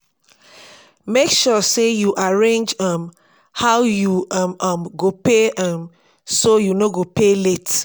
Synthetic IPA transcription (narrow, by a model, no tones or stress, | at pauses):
mekʃɔsejuʔaɹẽnd͡ʒʌ̃m | hawjuʌmʌmɡopeʔʌm | sojunoɡopelet